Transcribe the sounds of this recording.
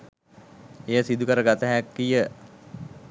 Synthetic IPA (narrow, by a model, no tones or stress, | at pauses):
ejəsid̪ukəɾəɡat̪əɦækːijə